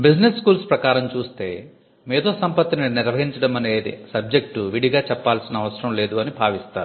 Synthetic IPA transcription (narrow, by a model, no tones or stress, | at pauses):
bid͡ʒneskuːlspɾɐkaːɾɐmt͡ʃuːst̪e̞̰ː | meːd̪o̞ːsɐmpɐt̪ːininiɾʋɐɦiɲt͡ʃɐɽɐmɐne̞ːd̪ḭsɐb̚d͡ʒe̞k̚ʈuʋiɽiɡaːt͡ʃɛpːaːlsinɐʋɐsɐɾɐmle̞ːd̪uɐnibʱaːʋist̪aːɾu